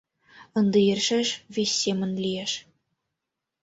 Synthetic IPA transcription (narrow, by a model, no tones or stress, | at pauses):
ɤ̆nd̪ɤ̆jɘ̆rʲʃɘʃvʲesʲːemʲɘ̆nʲlʲijeʃ